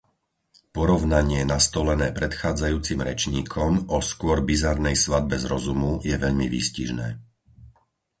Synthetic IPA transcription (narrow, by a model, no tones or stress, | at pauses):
pɔɾɔʊnaɲɪɛnast̪ɔlɛnɛːpɾɛt̪xaːd͡zajuːt͡simɾɛ̰t͡ʃɲiːkʰɔmɔskʊɔɾbizaɾnɛjsʋad̪̚bɛzɾɔzumujɛʋɛʎmiʋḭscḭʒnɛ̰ː